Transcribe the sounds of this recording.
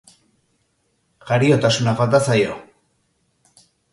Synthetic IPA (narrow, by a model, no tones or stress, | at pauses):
ɣaɾio̞t̪asunafalt̪asajo̞